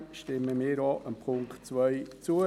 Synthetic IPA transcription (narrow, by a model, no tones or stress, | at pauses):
ʃtɪməmiːəɾɔːʔəmpʰʊŋkt͡sʋœɪt͡suə